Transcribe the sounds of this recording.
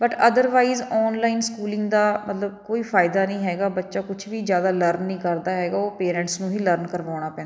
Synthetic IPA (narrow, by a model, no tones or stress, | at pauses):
bəʈəd̪əɾʋaːizɔːnlaːɪnskuːlɪ̃ŋɡd̪aːmət̪ləb̚koːiːfʰaːɪd̪aːnəĩːɦɛːɡaːbətːʃaːkʊt͡ʃʰʋiːzjaːd̪aːləɾnːĩːkəɾd̪aːɦɛːɡaːoːpeːɾɛ̃ːɳʈsnũːɦiːləɾnkəɾʋaːɽ̃aːpɛ̃ːna